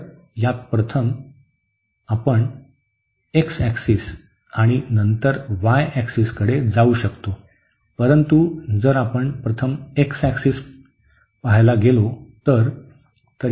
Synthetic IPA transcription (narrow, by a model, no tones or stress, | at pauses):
jat̪̚pɾət̪ʰəm | apəɳ | eksæksis | aɽ̃inənt̪əɾʋajæksiskəɽed͡zauɕəkt̪o | pəɾənt̪ud͡zəɾapəɳpɾət̪ʰəmeksæksiːs | paɦjlaɡelot̪əɾ | t̪əɾ